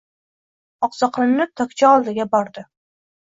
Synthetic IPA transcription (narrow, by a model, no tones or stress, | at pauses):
ɒqsɑqɾɪmnɪt̪ʰɒkʲt͡ʃʰaɒlˠd̪ɪɡʲabɒɾd̪ɪ